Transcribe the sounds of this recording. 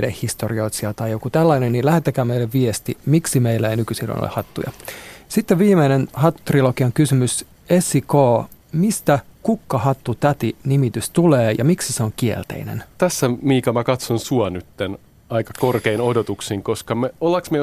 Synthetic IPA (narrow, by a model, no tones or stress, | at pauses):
dehhist̪orio̞it̪siɑt̪ɑjokut̪ælːɑinennilæhet̪ːekæːmeilːeʋʋiest̪imiksimeilːæeinykysilːo̰no̰ḛhɑt̪ːṵjɑ̰sit̪ːeʋʋiːmeinenhɑt̪ːu̥t̪riloɡiɑŋkysymys | esikoːmist̪ækukːɑhɑt̪ːut̪æt̪inimit̪yst̪uleːjɑ̰miksiseoŋkiḛlt̪ḛinḛnt̪æsːæmiːkɑmækɑt̪sonsuɑnyt̪ːen | ɑikɑkorkeinodot̪uksiŋkoskɑmeolːɑksme